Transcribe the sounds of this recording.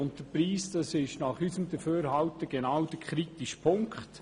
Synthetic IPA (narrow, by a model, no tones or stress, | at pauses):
ʊnt̚d̥əɾpɾiːsd̥ɑsɪʃnɑχysəmd̪əføːɾhɑwtəɡ̥enɑwd̥əɾkχɾitiʃpʰʊŋkχt